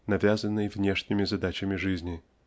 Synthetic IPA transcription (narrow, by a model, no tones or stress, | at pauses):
nɐvʲazənːɨjvnʲeʂnʲɪmʲɪzɐd̪at͡ɕɪmʲɪʐɨzʲnʲɪ